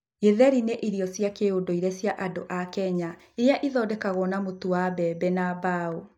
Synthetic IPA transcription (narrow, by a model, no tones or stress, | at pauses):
eðɛɾineʔiɾjɔsjakeodoiɾɛsjaʔadoʔakɛɲa | ejaʔiðɔdɛkaɣɔnamotuwabɛbɛnabao